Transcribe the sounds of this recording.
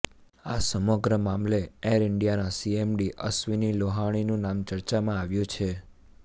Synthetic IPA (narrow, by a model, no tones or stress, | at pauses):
asəməɡɾəmamleeɾɪɳɖijanasiemɖiʔə̰sʋiniloɦaɽ̃inũnamt͡ʃəɾt͡ʃamãaʋjũt͡ʃʰe